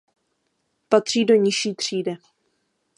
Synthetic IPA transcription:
pat̪r̝̥iːdo̞ɲɪʃiːt̪r̝̥iːdɪ

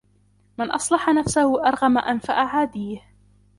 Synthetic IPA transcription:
mɪnʔɑsˤlɑħanafsahʊʔɑɾˤɣamaʔanfaʔaʕaːd̪iːh

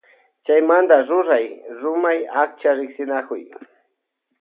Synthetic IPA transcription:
t͡ʃajmand̪aɾʊɾajɾʊmajak̚t͡ʃaɾɪksɪnakʊj

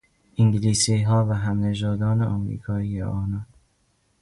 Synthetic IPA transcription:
ʔiŋɡiliːsiɦɒːvæɦæmned͡ʒɒːd̪ɒːneʔɒmɾḭːkʰɒːiːjḛʔɒːnɒːn

